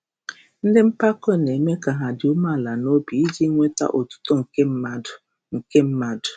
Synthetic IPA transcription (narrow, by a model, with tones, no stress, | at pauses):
n̩˦dɪ˦m̩˦pa˦kɔ˦˨ne˨me˦ka˨ɦa˨dɪ˨ʊ˦ma˦˨la˨no˦bi˨i˦d͡ʒi˦ŋʷe˦ta̰˦ʔo˨tu̥˦tɔ˦ŋ̩˨ke˦˨ | ŋ̩˨ke˦m̩˦ma˦dʊ̥˨